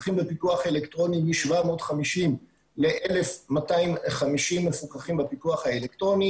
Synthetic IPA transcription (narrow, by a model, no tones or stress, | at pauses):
χimbepituaχelektʁo̞nimiʃvamo̞ːtχamiʃim | le̞ʔele̞fmataimχamiʃimːefukaχimbapituaχhaelektʁo̞ni